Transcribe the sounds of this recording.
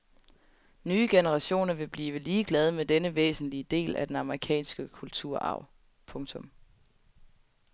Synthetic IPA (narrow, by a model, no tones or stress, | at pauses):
nyːəɡ̥enəʁɑ̈ɕo̝̰ːnɐʋe̝b̥liːʋəliːɡ̥lɛð̞ˠmed̥enəʋḛːsn̩liəd̥e̝̰ːlʔæ̰d̥enɑ̈məʁikʰɛ̰ːnsɡ̥əkʰult͡sʰuɐ̰ʔɑ̰̈ʊ̰ | pʰɔ̽ŋt͡sʰɔ̽m